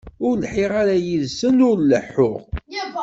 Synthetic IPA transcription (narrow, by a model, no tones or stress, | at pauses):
ʊɾlħiʁaɾajiðsənʊɾləħːʊʁ